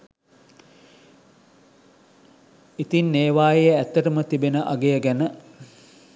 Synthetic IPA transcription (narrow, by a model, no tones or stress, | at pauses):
it̪inːeːʋaːjejəæt̪ːəʈəmət̪ibenəʔaɡejəɡænə